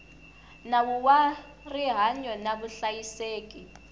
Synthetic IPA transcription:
nawuwa | riɦaɲɔnaɓuɬajiseːk̬ʼi

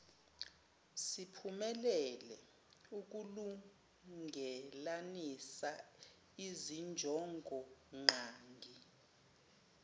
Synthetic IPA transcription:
sipʰumɛlɛlɛ | uk̬ulu | ŋɡʱɛlanisa | izind͡ʒʱɔŋɡʱɔŋ͡ǃaːŋɡʱi

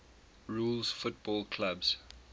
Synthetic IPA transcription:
ɹulzfʊt̚b̥ɔlkʰlabz̥

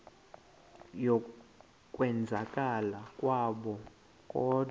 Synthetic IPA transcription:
jɔ | kʼwɛnd͡zʱakʼalakʼwaɓɔ | kʼɔ

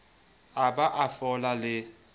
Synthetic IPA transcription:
abaʔafɔlalɪ

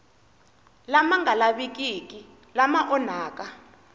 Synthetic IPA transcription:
lamaŋɡʱalaɓik̬ʼikʼi | lamaʔɔnaːk̬ʼa

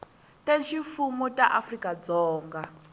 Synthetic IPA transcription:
tʼeʃifumutʼaʔafrikʼad͡zɔːŋɡa

